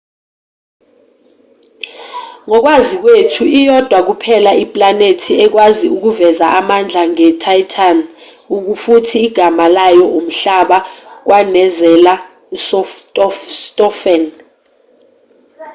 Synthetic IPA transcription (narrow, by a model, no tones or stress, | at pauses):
ŋɔk̬wazik̬wetʰuijɔd̥ʱwak̬upʰɛlaipʼlanetʰiɛk̬waziuk̬uvɛzaʔamand͡ɮʱaŋɛtʰajtʰan | uk̬ufutʰiːɡ̥ʱamalajɔʔum̩ɬaɓak̬wanɛzɛla | sɔftʼɔstʼɔfɛn